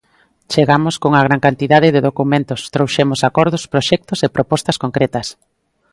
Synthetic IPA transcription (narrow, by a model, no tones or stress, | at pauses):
t͡ʃeɣamʊskoŋɐɣ̞ɾaŋkant̪iðað̞ɪðeðokumẽnt̪ʊst̪ɾowʃemʊsakɔɾðʊspɾoʃɛk̚t̪ʊsepɾopɔst̪ɐskoŋkɾɛt̪ɐs